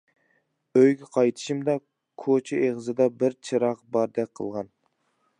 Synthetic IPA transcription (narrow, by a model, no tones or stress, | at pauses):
øjɡʲɛqʰɑjt̪ʰɨ̥ʃimd̪ɑ | kʰot͡ʃʰɛeʁzɨd̪ɑbɪɾt͡ʃʰɨɾɑqbɑɾd̪ɛk̚ʲqʰə̰lˠʁɑn